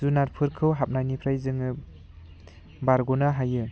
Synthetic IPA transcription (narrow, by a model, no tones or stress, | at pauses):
zunaɾpʰɯɾkʰɯwɦap̚najnipʰɾajzɯŋɯ | baɾɡunaɦajɯ